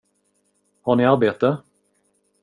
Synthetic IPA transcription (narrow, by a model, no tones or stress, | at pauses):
haɳɪaɾbeːt̪ə